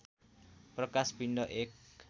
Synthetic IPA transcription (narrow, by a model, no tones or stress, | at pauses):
pɾəkaspindɔʔɪk